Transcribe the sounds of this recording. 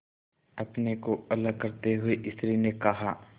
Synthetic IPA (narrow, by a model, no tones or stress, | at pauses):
ɐpnekoɐləɡ̚kɐɾt̪eɦʊeʔɪslinekɐɦa